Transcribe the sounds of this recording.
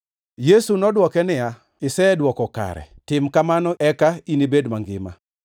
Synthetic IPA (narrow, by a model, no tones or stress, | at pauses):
jesunɔdwɔkɛnɪja | ɪsɛdwɔkɔka̰ɾɛ̰tɪmkamanɔʔɛkainibedmaŋɡɪ̰ma̰